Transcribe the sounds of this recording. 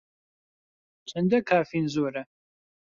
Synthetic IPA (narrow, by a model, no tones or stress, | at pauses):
t͡ʃʼɐndɐkʰaːfiːnzoːɾɐ